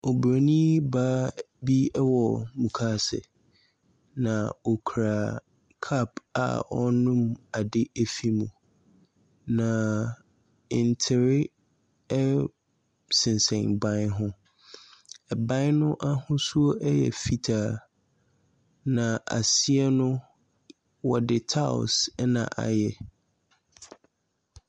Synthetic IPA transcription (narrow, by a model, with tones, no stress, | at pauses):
o˨bɾa˨nĩ˦baː˦ | bi˦ɛ˦wɔ˨mũ˨kʰa˦sɪ̰˨ | nã˨ɔ˨kʰɾa˨ | kʰa˦˨pa̰˨ɔ˦nũ˦ma˨dɪ˦ʔɛ˦fi˦mũ˨ | nã˨ | ɪ˨n˨tʰɪ˨ɾɪ˦ | ɛ˦ | sɪ̃˨nsɛ̃˨nbã˦nɦʊ̃˦ | ɛ˨bã˦nnʊ̃˦ʔa˦hʊ̃˦su˦o˦ʔɛ˦jɛ̰˨fi˦tʰaː˨ | nã˨ʔa̰˨si˦ɛ˦nʊ̃˦ | wɔ˨dɪ˨tʰa˦ʊ̰˨sɛ˦nã̰˨ʔa̰˨jɛ˨